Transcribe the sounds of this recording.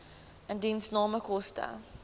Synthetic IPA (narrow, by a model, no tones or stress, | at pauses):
əndinsnɑːməkɔstə̰